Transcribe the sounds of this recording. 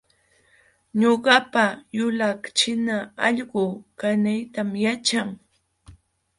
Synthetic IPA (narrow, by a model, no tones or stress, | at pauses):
ɲoɢɑpajʊlakt͡ʃɪnaɑʎɢʊkanajt̪amjat͡ʃaŋ